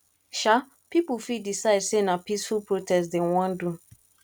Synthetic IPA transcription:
ʃa | pipufidisaɪdsenapisfupɹotɛstdewɔ̃ndu

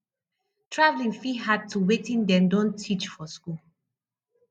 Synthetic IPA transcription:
tʰɹavlĩŋfiɦad̚tuwetĩndɛ̃ndɔ̃ntʰːit͡ʃfɔskul

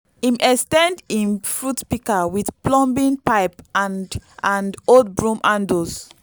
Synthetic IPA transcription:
ĩmʔɛkstɛ̃ndĩnfɹutpikawiθplɔ̃mbĩnpaɪpaãndodbɹũmʔãndos

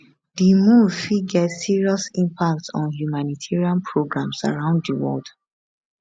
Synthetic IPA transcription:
dimuvfiɡɛtsiɹiɔsĩmpak̚tsɔ̰̃nhjumanitʰiɹiãnpʰɹoɡɹãmsa̰ɹãʊ̃nddəwɔ̰ld

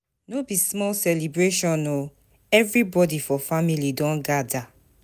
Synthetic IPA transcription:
nobismɔlsɛlibɹeʃɔ̃nːo | ɛvɹibɔdifɔfamilidɔ̃nɡada

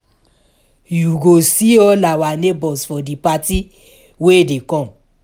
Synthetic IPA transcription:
juɡosiɔlawanebɔsfɔdipati | wedekɔ̃

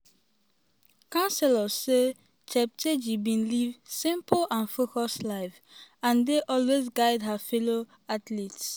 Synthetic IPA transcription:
kãnsɛləse | t͡ʃʰɛp̚tʰed͡ʒibĩnlivsĩmplãnfokɔslaɪf | ãndeʔɔlwezɡaɪdɦafɛlo | atlits

